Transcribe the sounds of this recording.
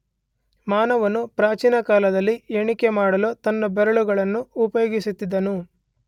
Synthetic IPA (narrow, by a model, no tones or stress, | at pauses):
maːnɐʋɐnːupɾaːt͡ʃiːnɐkaːlɐd̪ɐlːieɳikemaːɽɐloːt̪ɐnːɐbɛɾɐɭuɡɐɭɐnːuːpɐjoːɡisut̪ːid̪ːɐnu